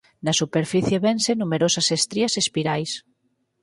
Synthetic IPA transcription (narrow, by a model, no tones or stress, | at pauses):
nasupeɾfiθjeβensenumeɾosasest̪ɾiasespiɾajs